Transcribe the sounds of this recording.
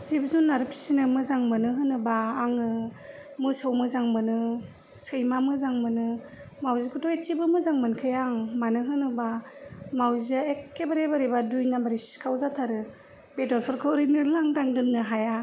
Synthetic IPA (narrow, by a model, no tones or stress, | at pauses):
sibzunːaɾɯpʰi̥sinɯmɯzaŋmɯnɯɦɯnɯbaːŋɯ | mɯsɯwmɯzaŋmɯnɯ | sɯjmamɯzaŋmɯnɯ | mawzikʰutɔetibɯmɯzaŋmɯnkʰɯjaŋmanɯɦɯnɯbamawziaekːebaɾebaɾibadujnabaɾiskʰawzatʰaɾɯ | bedɔɾpʰɯɾkʰɯɾɯnɯlaŋdaŋdɯnːɯɦaja